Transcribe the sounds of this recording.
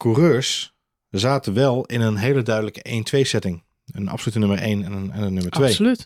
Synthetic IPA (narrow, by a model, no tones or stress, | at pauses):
kurøːɹs | zaːtʋɛlˠɪnənɦejlədœɥdələkəʔejntʰʋejsɛtɪŋ | ənɑ̰fsolytənɵməɹḛjnɛnəɛnənɵməɹtʋejlyt